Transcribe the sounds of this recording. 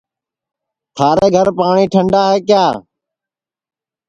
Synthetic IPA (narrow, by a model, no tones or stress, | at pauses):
t̪ʰaːɾeːɡʱəɾpaːɳiːʈʰəɳɖaːɦeːkjaː